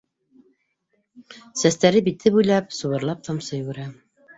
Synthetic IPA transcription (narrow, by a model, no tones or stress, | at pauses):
sæst̪æɾɘbit̪ʰɘpujlˠɑpsŏβɤ̆ɾlˠɑp̚t̪ʰɑmsɤjwʉɾæ